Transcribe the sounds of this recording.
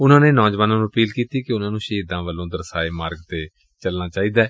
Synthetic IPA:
ʊnãːneːnɔːd͡ʒʋaːnãːnũːəpiːlkiːt̪iːkeʊnãːnũːʃiːd̪ãːʋəlːõːd̪əɾsaːeːmaːɾɡt̪eː | t͡ʃəlnaːt͡ʃaːiːd̪aːɛː

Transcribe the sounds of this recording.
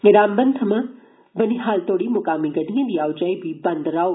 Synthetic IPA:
ɾaːmbɐnd̪ʱɐmɐ | bɐniɦaːlt̪oːɽimʊkaːmiɡɐɖijɐ̃d̪iaːwd͡ʒaibʱibɐnd̪ɾaː

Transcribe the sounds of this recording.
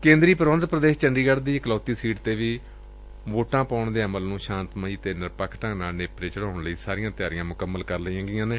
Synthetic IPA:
kẽːnd̪ɾiːpəɾʋə̃nd̪pɾəd̪eːʃt͡ʃəɳɖiːɡəɽd̪iːklɔːt̪iːsiːʈt̪eːʋiː | ʋoːʈãːpaːʊɳd̪eːəməlnũːʃãːnt̪məiːt̪eːnəɾpəkʰʈãːnaːlneːpɾeːt͡ʃəɽãːʊɳləiːsaːɾɪjãːt̪ɪjaːɾɪjãːmʊkəmːəlkəɾləiãːɡɪːãːneː

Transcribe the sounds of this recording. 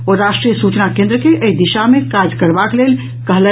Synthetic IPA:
oɾaʃʈɾijəsut͡ʃnakẽnd̪ɾəkeʔəid̪iʃamekad͡ʒkəɾbaklel | kəɦle

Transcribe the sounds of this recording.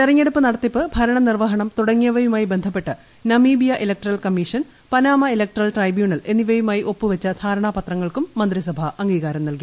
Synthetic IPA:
t̪irɐŋːeɽupːɨnɐɽɐt̪ːipːɨbʱɐɾɐɳɐnirʋɐɦɐɳɐmt̪uɽɐŋːijɐʋɐjumaːjibe̞nd̪ʱɐpːe̞ʈːɨ | nɐmiːbijɐʔelɐk̚ʈɐrɐlkɐmːiʂɐn | pɐnaːmɐilɐk̚ʈrɐlʈrɐjbjuːɳɐle̞nːiʋɐjumaːjiʔo̞pːɨʋɐt͡ɕːɐd̪̥ʱʰaːɾɐɳaːpɐt̪rɐŋːɐɭkumːɐnd̪risɐbʱɐɐŋɡiːɣaːɾɐmnɐlki

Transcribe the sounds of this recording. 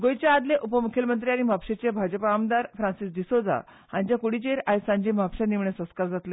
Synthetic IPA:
ɡojt͡ɕaad̪leʔupəmukʰelmənt̪̬ɾiañimʱapɕet͡ɕebʱad͡ʑəpaːmd̪aɾfɾãnsisd̪isod͡za̰ | hãɲd͡ʑjakuɽ̤it͡ɕeɾajsãɲd͡ʑemʱapɕãniʋɳesə̃skaɾd͡zat̪le

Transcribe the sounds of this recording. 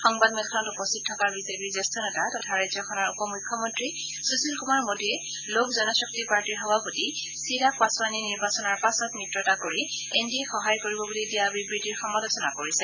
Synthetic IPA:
xɔŋbadmɛtkʰɔnɔtupɔstʰit̚tʰːɔkaɹbisebizɛstʰɔnɛtatɔtʰaɹajzɔkʰɔnɔɹupɔmujkʰːɔmɔntɹi | susulkumaɹmodʱiɛ | lokʰzɔnɔsɔk̚tipaɹtiɹɦɔbaputi | siɹakaswaniniɹbasɔnɔɹpasɔt̚mitɹɔtakoɹi | endiexɔɦajkoɹibɔbulidijabibɹitiɹxɔmɔlɔsɔna̰koɹisɛ

